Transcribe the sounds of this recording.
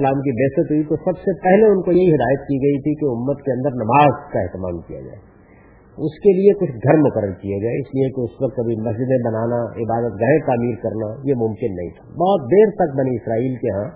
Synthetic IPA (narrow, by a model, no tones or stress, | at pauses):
laːmk̬ibeːsət̪ɦuit̪osɐbsepɛɦleʊnkojɐɦiɦɪd̪aːjət̪kiɡɐit̪ʰikeʊmːət̪keɐ̃nd̪əɾnɐmaːzkaɛɦt̪ɪma̰ːmkija̰d͡ʒa̰ːe | ʊskeliekʊt͡ʃʰɡʱɐɾmʊkəɾːəɾkijaɡɐeɪsliekeʊswɐk̚t̪ɐbʱimɐsd͡ʒɪd̪ẽbɐnaːnaɪbaːd̪ət̪ɡɐẽt̪aːmiːɾkɐɾnajemʊ̃mkɪnːɐ̰ɦḭ̃t̪ʰḁbɔːt̪d̪eːɾt̪ɐk̚bɐniɪsɾaːiːlkeɦã